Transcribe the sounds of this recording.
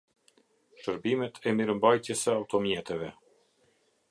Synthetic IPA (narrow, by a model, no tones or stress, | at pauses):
ʃəɾbimɛt̪ʰɛmiɾəmbajt̪jɛsəawt̪ɔmjɛt̪ɛvɛ